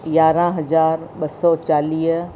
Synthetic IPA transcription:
jaːɾãɦɐzaːɾɓɐsɔːt͡ɕaːliːɦ

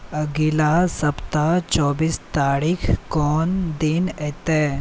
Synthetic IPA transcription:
əɡilasɐpt̪at͡ʃɔbiːst̪aɾikʰkɔːnd̪inet̪e

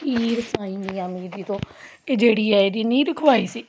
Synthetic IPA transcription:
iːɾsãːĩːnd̪iːãːmiːɾiːt̪õː | ed͡ʒeːɽiːɛːeɾiːnĩːɾəkʰʋaːiːsiː

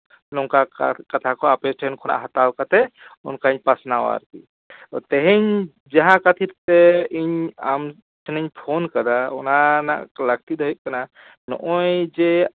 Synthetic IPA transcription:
lɔŋkakɐt̪ʰakɔapɛsʈɛnkʰɔna̰ʔɦat̪awkat̪ɛʊnkaiɲpasnawa̰ɾkḭ | ɔt̪ɛɦɛɲ | d͡ʒɛɦãkat̪ʰiɾt̪ɛiɲam | t͡ʃʰnɛɲpʰonkɐd̪aɔnana̰ʔkləɡ̚t̪id̪ʱɔɦiʔ̚kana | nɔ̰ʔɔjd͡ʒɛ

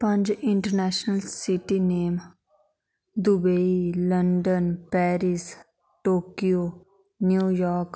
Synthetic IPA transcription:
pə̃ɲd͡ʒɪ̃ɳʈəɾnɛːʃnəlsɪʈineːm | d̪ubeiləɳɖənpɛːɾɪs | ʈoːkijoː | njuːjɔːɾk

